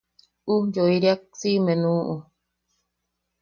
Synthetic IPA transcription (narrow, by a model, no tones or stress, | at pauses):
ujoiɾiak̚simẽnũʔu